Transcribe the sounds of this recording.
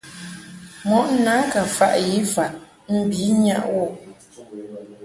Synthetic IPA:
mɔ˨ʔna˨˦ka˨fa˦ʔji˨˦fa˨ʔ | m̩˦˨bi˨˦ɲa̰˦ʔwɔ˦˨

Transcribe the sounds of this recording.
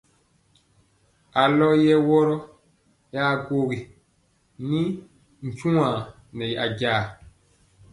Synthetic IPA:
a˨lɔ˦jɛ˦wɔ˦ɾɔ˦ | jaː˦˨ɡo˦ɡi˨ | ni˦ | n̩˨t͡ʃũ˦ã˨ | nɛ˨jʔa˨ɟaː˦˨

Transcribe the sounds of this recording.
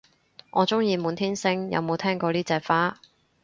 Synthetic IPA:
ŋɔː˨˧t͡sʊ˥ŋjiː˧muː˨˧nt̪ʰiː˥nsɪ˥ŋjɐ̰˨˧wmo˨˧wt̪ʰɛː˥ŋkɔː˧liː˥t͡sɛː˨˧k̚faː˥

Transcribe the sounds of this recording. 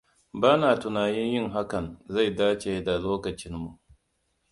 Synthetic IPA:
baː˦naː˨tʊ˨naː˨jɪ˦ɲjɪ˦˨ŋɦa˦kɐ˨nza˦˨jdaː˦t͡ʃeː˨da˨loː˦kɐ˨t͡ʃɪ˦mːu˨ʔ

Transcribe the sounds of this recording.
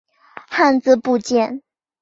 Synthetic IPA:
xa˥˧nt͡sɹ̩˥˧pu˥˧t͡ɕjɛ˥˧˩n

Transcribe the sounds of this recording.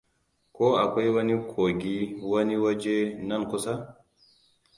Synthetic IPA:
koː˦ʔa˨kʷa˦jwɐ˦ni˦kʰo˨ɡʲi˦wɐ˦ni˦wɐ˦d͡ʒe˦nɐ˦nkʊ˦sa˦

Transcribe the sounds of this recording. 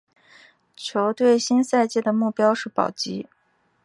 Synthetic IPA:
t͡ɕʰjo˧˥ʊt̪we˥˩ɪɕi˥nsa˥˧ɪt͡ɕjɛ˥˩d̪ə˩mu˥˩pjɑ˥ʊʂɻ̩˥˩pɑ̰˨˩ʊt͡ɕi˧˥

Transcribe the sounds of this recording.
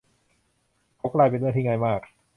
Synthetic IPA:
kʰa˦˥wklaː˧jpe˧nː˦˥˨t̪ʰiː˥˩ŋaː˧jmaː˥˩k̚

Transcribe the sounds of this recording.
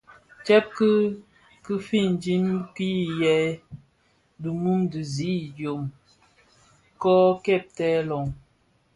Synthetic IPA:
t͡ʃɛ˦p̚kɨ˦ | kɨ˦fi˦˨n˨d͡ʒi˦mki˦jɛ˨˦ | du˨mu˦mdi˨zi˦d͡ʒjo˨m | kɔ˦kɛ˦˨p̚tɛ˦lɔ˨ŋ

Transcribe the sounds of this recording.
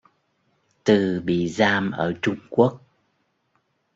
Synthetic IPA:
t̪ɨ˨˩ɓḭ˧˨zaː˧mʔəː˧˩t͡ɕʊ˧ŋ͡mku˦˥ək̚

